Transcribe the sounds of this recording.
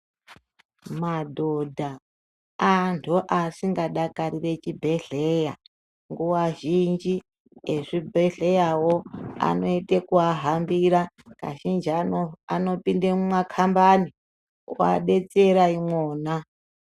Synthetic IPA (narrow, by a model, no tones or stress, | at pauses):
madʱodʱaː | ntʰuʔasiŋɡaɗakaɾire̞t͡ʃibʱe̞ɮeja | ŋɡuwaʒind͡ʒi | eʐibʱeɮe̞jawoa̰no̞itekuaɦambiɾa | ka̰ʒind͡ʒiaano̞pindemumakʰambani | a̰ɗe̞t͡seɾaimwoːna